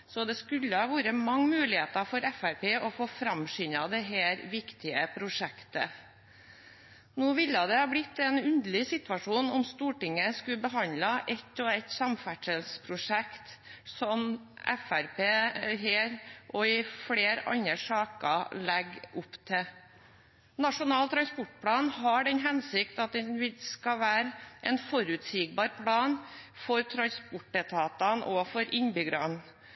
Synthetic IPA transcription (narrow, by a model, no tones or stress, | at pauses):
sɔd̪ɛskʉlːəhɑːʋuːɾəmɑŋːmʉːlɪheːt̪ɑfɔɾɛfæɾpeːʔɔfoːfɾɑmʃʏnɑd̪ɛɦeːɾʋɪkt̪ɪəpʰɾʊʂɛkt̪ə̰ | nuːʋɪlːəd̪ɛhɑːblɪt̪ːɛnʉnd̪əɭɪsɪt̪ʋɑʂuːnɔmst̪uːʈɪŋːəskʉbəɦɑnlɑʔɛt̪ːɔæt̪sɑmfæʈəlspʰɾʊʂɛkt̪sɔmʔɛ̰fæɾpeːɦeːɾʔɔɪfleːɾɑ̰nəʂɑːkɑ̰lɛɡʊpt̪ʰɪ | nɑʂʊnɑːlt̪ʰɾɑnspɔʈpʰlɑːnhɑɖɛnɦɛnsɪkt̪ɑt̪̚d̪ɛʋɪlskɑʋæːɾʔɛnfɔɾʉt̪siːɡ̚bɑːɾpʰlɑːnfɔɾt̪ʰɾɑnspʊʈət̪ʰɑːt̪ɑnʔɔfɔɾɪnbʏɡɾɑn